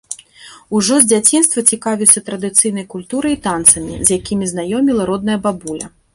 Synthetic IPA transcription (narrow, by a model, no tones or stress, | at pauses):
uʐɔzʲd͡zʲat͡sʲinst̪vɐt͡sʲikavʲiwsʲɐt̪ɾɐd̪ɨt̪sɨjnɐjkulʲt̪uɾɨit̪ant̪sɐmʲḭzʲjakʲimʲiznajɔmʲilˠɐɾɔd̪̚nɐjɐbabulʲɐ